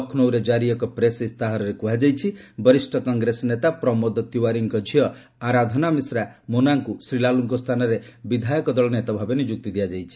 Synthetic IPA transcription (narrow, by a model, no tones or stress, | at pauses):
ɔkʰnowɾed͡ʒaɾiɔkɔpɾesist̪aɦɔɾɔɾekuɦad͡ʒajt͡ʃʰibɔɾisʈʰɔkɔŋɡɾesɔnet̪apɾɔmɔd̪ɔt̪iwaɾiŋkɔd͡ʒʱiɔ | aɾad̪ʱɔnamisɾamonaŋkusɾilaluŋkɔst̪ʰanɔɾebid̪ʱajɔkɔd̪ɔɭɔnet̪ɔbʱabɔnid͡ʒuk̚t̪id̪ijad͡ʒajt͡ʃʰi̥